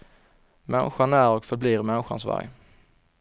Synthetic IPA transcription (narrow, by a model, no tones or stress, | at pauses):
mɛ̰nɪɧanæɾɔkfœɾbliːɾmɛnɪɧa̰nsva̰ɾj